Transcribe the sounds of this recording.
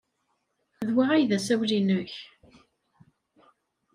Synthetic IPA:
ðwaʁæjðæsæwlinəç

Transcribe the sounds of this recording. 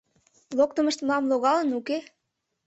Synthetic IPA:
lok̚t̪ə̆mə̆ʃt̪mlɑmloɣɑlə̆nuke

